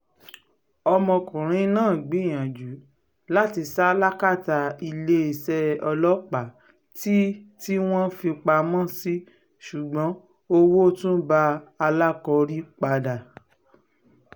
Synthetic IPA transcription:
ɔ˧mɔ̃˧kũ˨ɾ̃ĩ˨˦nãː˦˨ɡ͡bĩ˨˦˨j̃ã˨d͡ʒu˨˦ | la˦ti˧sa˦la˦ka˦˨ta˧i˧le˦i˨sɛ˧˦ɔ˧lɔ˦k͡pa˨ | ti˦ti˦w̃ɔ̃˦fĩ˧k͡pa˧mɔ̃˦˨si˦ | ʃu˨ɡ͡bɔ̃˨˦ | o˧wo˦tũ˦ba˧˦a˧la˦kɔ˧ɾi˦k͡pa˧da˨

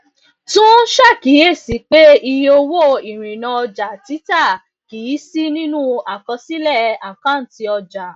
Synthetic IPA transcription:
tũ˦ʃa˦˨ki˨˦e˦˨si˨˦k͡pe˦i˧jo˧wo˦i˨ɾ̃ĩ˨nã˧ɔ˧d͡ʒa˨ti˨˦ta˦˨ | ki˨˦si˦nĩ˦nũ˦a˨kɔ̃˧si˦lɛ˦˨a˨kã˦n̩˨ti˧ɔ˧d͡ʒa˨

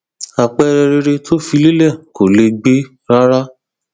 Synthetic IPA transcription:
a˨k͡pɛ˦˧ɾɛ˧ɾe˧ɾe˧tʰo˦fi˧le˦lɛ˦˨ko˨le˧ɡ͡be˦ | ɾa˦ɾa˦

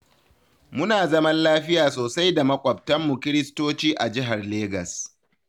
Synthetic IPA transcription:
mʊ˦naː˨zɐ˦mɐ˦nlaː˦ɸɪ˦jaː˨soː˨sa˦jda˨mɐ˦kʷʼɐ˨p̚tɐ˦mːu˨kʲɪ˦ɾɪ˦stoː˦t͡ʃiː˦ʔa˨d͡ʒɪ˦ɦa˨rleː˦ɡɐ˨s

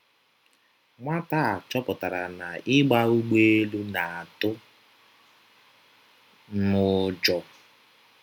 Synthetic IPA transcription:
ŋʷa˦ta˦˨t͡ʃɔ˦pʊ˨ta˨ɾa˨na˨ɪ˦ɡ͡ba˦u˦ɡ͡be˦e˦lu˦na˨a˨tʊ˦ | mʊ˨d͡ʒɔ˨

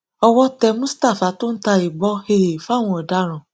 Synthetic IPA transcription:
ɔ˧wɔ˦tɛ˧mũ˦sta˦˨fa˨˦to˦n̩˦ta˧i˨ɡ͡bɔ˦he˧˨ɾe˨fa˦˨w̃ɔ̃˧ɔ˨da˦ɾ̃ɔ̃˨

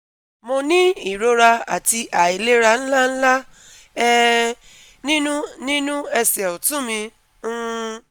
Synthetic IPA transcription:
mo˧nĩ˦i˦˨ɾo˨˦ɾa˧a̰˨ti˧ʔa˨i˨le˦ɾa˧n̩˦la˦n̩˦la˦ | ɛ˦ | nĩ˦nũ˦nĩ˦nũ˦ɛ˧sɛ˨u˨tũ˦mĩ˧˦

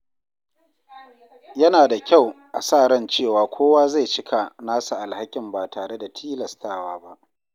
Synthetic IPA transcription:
jɐ˦naː˨da˨kʲa˦˨wʔa̰˨saː˦˨ɽɐ˦nt͡ʃeː˦˨waː˨kʷoː˦waː˦za˦˨t͡ʃɪ˦kʰa˨naː˦sa˨ʔa˨lha˦kʲɪ˨mbaː˨taː˨ɽe˦da˨tʰiː˦lɐ˨staː˦˨waː˦ba˦ʔ

